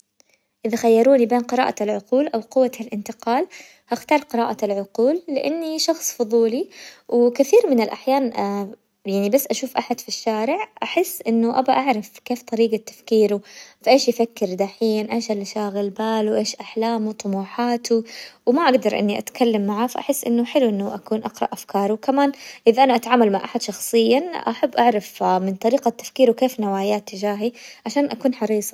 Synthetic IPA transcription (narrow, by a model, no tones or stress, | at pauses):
ʔɪðaxajːɑɾˤuːnibeːnqɨɾɑ̰ːʔalʕʊquːlʔawqʊwːalʔɪnt̪ɪqɑːl | haxt̪ɑːɾˤqɪɾɑːʔalʕʊquːlːɪʔanːiʃɑxsˤfʊðˤuːliwkɪθiːɾmɪnɪlʔaħjaːn | jaʕnibasːʔaʃuːfʔaħad̪fiʃːaːɾɪʕʔaħɪsːʔɪnːʊʔabaʔaʕɾˤɑfkeːft̪ˤɑɾiːɡat̪ːḁfkiːɾufaʔeːʃjɪfakːɪɾd̪aħiːnʔeːʃalːʃaːɣɪlbaːluʔeːʃʔaħlaːmut̪ˤʊmuːħaːt̪ʰuwmaʔaɡd̪ɑɾˤʔɪ̰nːiʔa̰t̪kʰalːamːaʕafaʔa̰ħɪsːʔɪ̰nːʊħɪluʔɪnːʊʔakuːnʔɑqɾˤɑ̰ʔafkɑːɾˤʊwkamaːnʔɪðaʔanaʔat̪aʕaːmalmaʕʔaħad̪ʃɑxsˤɨjːaʔa̰ħabːʔaʕɾˤɑfmɪnt̪ˤɑɾiːɡat̪ːḁfkiːɾuwkeːfnawaːjaːt̪ːɪd͡ʒaːɦiʕaʃaːnʔakuːnħɑɾiːsˤɑ